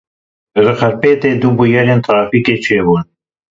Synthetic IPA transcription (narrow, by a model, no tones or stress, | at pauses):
rɨxɐɾpeːt̪eːd̪ubujɛleːnt̪ʰɾaːfiːkeːt͡ʃʰeːbun